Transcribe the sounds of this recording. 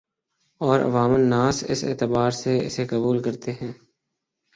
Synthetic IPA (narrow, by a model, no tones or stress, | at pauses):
ɔːɾɐ̰ʋaːmənːãːsɪ̰sḛːt̪əbaːɾseɪ̰sekəbuːlkɐɾt̪eɦɛ̃ː